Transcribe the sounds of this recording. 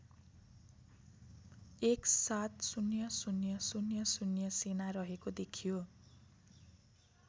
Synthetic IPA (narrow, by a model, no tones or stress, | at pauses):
eksat̪sunjʌsunjʌsunjʌsunjʌsenarʌɦekod̪ekʰijo